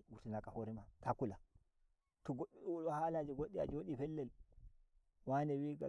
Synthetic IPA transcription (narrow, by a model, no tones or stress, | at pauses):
wuɾtinakahoɾimatakula | tɔɡoulwahalad͡ʒiɡoɗːia̰d͡ʒoɗifɛlːɛl | wanɛwiɡa̰